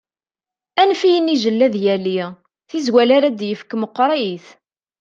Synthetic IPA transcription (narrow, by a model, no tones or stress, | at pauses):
ænfijəniʒəlːæðjæli | θizwælaɾæd̪jəfkəməqːɾˤiθ